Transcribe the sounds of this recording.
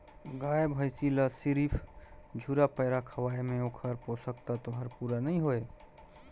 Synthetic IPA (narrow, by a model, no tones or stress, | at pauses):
ɡajbʱəjsiləsiɾipʰd͡ʒʱuɾapəɪɾakʰəwajmeokʰəɾposəkt̪at̪oɦəɾpuɾanəiɦoe